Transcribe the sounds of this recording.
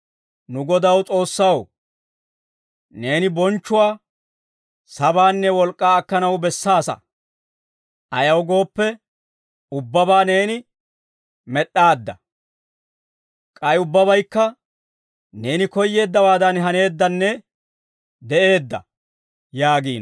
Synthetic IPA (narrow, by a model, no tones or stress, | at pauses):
nʊɡɔd̪ɐwt͡sʼo̞ːsːɐw | ne̞ːnɪbɔnt͡ʃːʊwaː | sɐbaːnːɛwɔlkʼːaːkːɐnɐwbɛsːaːsɐ̰ | ʔɐjɐwɡo̞ːpːɛ | ʊbːɐbaːne̞ːnɪ | mɛɗːaːd̪ːɐ | kʼɐjʊbːɐbɐjkːɐ | ne̞ːnɪkɔjːe̞ːd̪ːɐwaːd̪ɐnɦɐne̞ːd̪ːɐnːɛ | d̪ɛʔe̞ːd̪ːɐ̰ | jaːɡiːn